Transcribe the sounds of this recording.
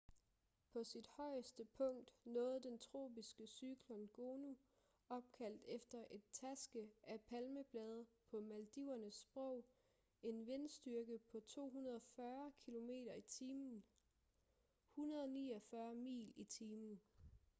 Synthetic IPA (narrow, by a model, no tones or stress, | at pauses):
pʰɒ̽sid̥hɒ̽ɪ̰əsd̥əpʰɔ̽ŋ̰d̥nɔ̽ːð̩ˠd̥ent͡sʰʁo̝̰ːb̥isɡ̥əsyɡ̥lɔnɡ̥o̝ːnu | ɒ̽b̥̚kʰæl̰d̥efd̥ɐʔe̝d̥̚t͡sʰæsɡ̥əʔæpʰælməb̥lɛːð̞ˠpʰɒ̽mæld̥iʊɐnəsːb̥ʁɔʊ̰ | e̝nʋe̝nsd̥yɐɡ̥əpʰɒ̽t͡sʰo̝̰ːɦunɐð̞ˠɒfɶɐkʰilo̝me̝̰ːɾɐit͡sʰiːmn̩ | hunɐð̞ˠɒ̽nḭːɒfɶːɐmḭːlit͡sʰiːmn̩